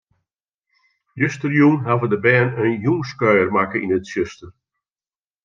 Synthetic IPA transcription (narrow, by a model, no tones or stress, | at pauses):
jøstərjunɦavədəbɛːnənjuŋskœɥərmakəinətsøstər